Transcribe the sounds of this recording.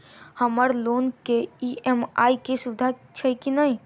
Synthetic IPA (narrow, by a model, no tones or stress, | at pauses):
həməɾloːnkeiemaːikesʊɪd̪ʱat͡ʃʰəikinəi